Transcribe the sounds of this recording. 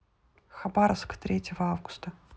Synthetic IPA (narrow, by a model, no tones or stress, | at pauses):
xɐbaɾəfskə̥t̪ɾʲetʲɪvəavɡʊ̥st̪ə